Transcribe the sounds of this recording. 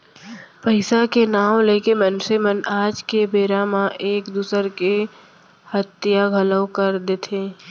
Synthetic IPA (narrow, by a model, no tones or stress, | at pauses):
pəɪsakenaːw̃leːkemənsemənaːd͡ʒkebeːɾamãʔeːkd̪uːsəɾke | hət̪ːijaɡʱələwkəɾd̪et̪ʰeː